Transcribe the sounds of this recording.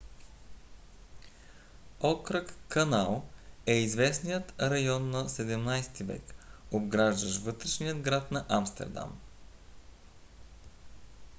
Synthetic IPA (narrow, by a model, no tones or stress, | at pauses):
ɔkɾəkkɐnalˠɛizvɛsnijət̪ɾɐjɔnːɐsɛd̪ɛmnajsɛ̥t̪ivɛ̰kobɡɾaʒd̪əʃvɤt̪ɾɛʃnijəd̪ɡɾat̪nɐʔamst̪ɛ̰ɾd̪a̰m